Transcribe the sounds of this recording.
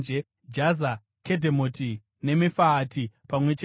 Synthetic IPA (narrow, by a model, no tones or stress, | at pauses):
d͡ʒe | d͡ʒaza | kʰedʱemotʰi | ne̞mifaːtʰipamwe̞t͡ʃ